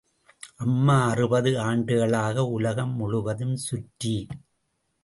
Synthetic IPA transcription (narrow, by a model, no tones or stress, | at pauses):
ʔɐmːaːɐrɯbɐðɯaːɳɖɯɣɐɭaːɣɐʊlɐɣɐmːʊɻʊʋɐðɯmsʊʈːi